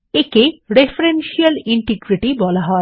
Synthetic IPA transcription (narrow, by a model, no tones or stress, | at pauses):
ekeɾepʰɾenʃijəliɳʈiɡɾiʈibɔlaɦɔe